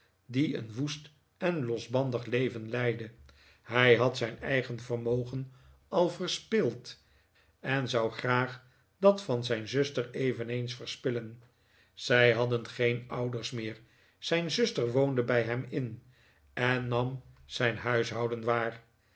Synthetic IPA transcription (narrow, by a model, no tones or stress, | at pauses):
diə̰nʋust | ɛnlɔzbɑndəχlejvənlɛjdə | ɦɛjɦɑtsɛjnɛ̰jχənvəɹmowχən | ɑlˠvərspɪlˠt | ɛnzɑwχraːχ | d̥ɑtfɑnzɛjnzʏstəɹejvənejnsfəɹspɪlən | z̥ɛjɦɑdənχejnʌwdəɹsmɪːɹ | z̥ɛjnzʏstəɹʋowndəbɛjɦɛmɪn | ʔɛnːɑmz̥ɛjnɦœɥsɦɑwdənʋaːr